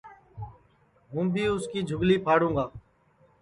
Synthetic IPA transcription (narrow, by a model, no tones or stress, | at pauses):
ɦũːbʱiːʊskiːd͡ʒʱʊɡliːpʰaːɽũːɡaː